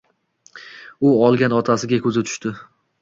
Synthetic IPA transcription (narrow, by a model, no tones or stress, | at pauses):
ʊɒlˠɡʲanɒt̪ʰasɪɡʲakʲʰɵzɪt̪ʰʊ̥ʃt̪ɪ